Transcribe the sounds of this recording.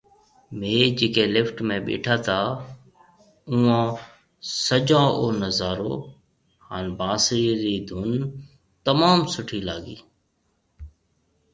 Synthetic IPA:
meːd͡ʒeːkeːlɪfʈmẽːɓḛːʈʰaːt̪ʰaː | uːãː | səd͡ʒãːʔoːnəzaːɾo̰ː | haːnbãːsiːɾiːd̪ʱʊn | t̪əmaːmsʊʈʰiːlaːɠḭː

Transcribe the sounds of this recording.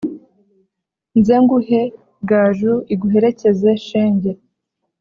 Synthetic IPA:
nzeŋɡuhe̞ | ɡaːʒuiɡuɦe̞ɾe̞ce̞ze̞ʃeːɲɟe

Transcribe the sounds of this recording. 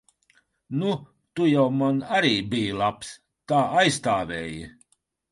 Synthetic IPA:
nu | t̪ujawmanaɾiːbiːjlˠaps | t̪aːajst̪aːvʲɛːjɨ

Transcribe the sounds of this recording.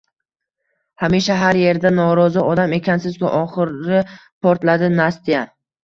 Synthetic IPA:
hamiʃaɦaɾje̞ɾd̪anɒɾɒzɪʔɒd̪ame̞kʲansɪzva̰ʔɒχɨɾɪpʰɒɾt̪lad̪ɪnast̪ʰija

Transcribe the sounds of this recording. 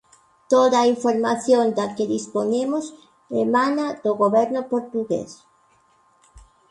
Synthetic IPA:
t̪oðɐaiɱfoɾmaθjond̪ɐkeðispoɲemʊs | emãnɐd̪oɣoβɛɾnʊpoɾt̪uɣḛs

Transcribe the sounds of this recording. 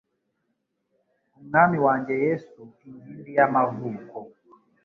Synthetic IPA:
m̩ŋamiwaɲd͡ʒɛjɛsukiŋɡindijamavukɔ

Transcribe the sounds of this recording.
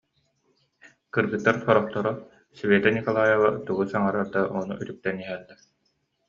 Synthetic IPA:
kɯɾɡɯt̪ːaɾsɔɾɔχt̪ɔɾɔ | svɛːt̪anikalˠaːjaʁat̪uɡusaŋaɾaɾd̪aɔnṵʔyt̪yk̚t̪ɛniɦɛlːɛ

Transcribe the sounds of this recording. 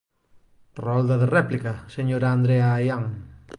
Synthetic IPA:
rɔld̪aðereplikaseɲoɾand̪ɾeaːjaŋ

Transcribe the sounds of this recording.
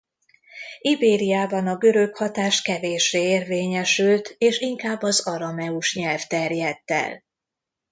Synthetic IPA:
ibeːɾijaːbɒnɒɡøɾø̞khɒt̪aːʃt̪kɛveːʃeːeːrveːɲɛʃylt̪eːʃiŋkaːbːɒzɒɾɒmɛuʃɲɛlft̪ɛrjɛt̪ːɛ̰l

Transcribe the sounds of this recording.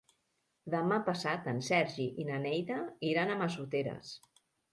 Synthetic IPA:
d̪əmapəsat̪ənsɛɾʒiʔinənɛjðəiɾanəməsut̪eɾə̰s

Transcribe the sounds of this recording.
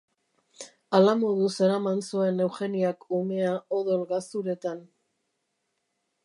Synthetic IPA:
alamoðuseɾamansue̞ne̞wxe̞niakume̞aoðolɣast̪uɾe̞t̪an

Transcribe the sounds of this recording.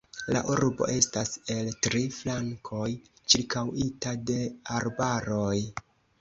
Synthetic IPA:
la̰ʔuɾbo̞̰ʔe̞stase̞ltɾiflaŋkʰo̞j | t͡ʃiɾkawitade̞aɾbaɾo̞j

